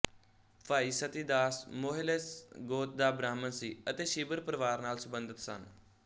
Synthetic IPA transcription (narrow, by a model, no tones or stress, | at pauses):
paːiːsət̪iːd̪aːsmoːɦɪlesɡoːt̪̚d̪aːbɾaːmənsiːət̪eːʃiːbəɾpəɾʋaːɾnaːlsəbənd̪ət̪sə̰n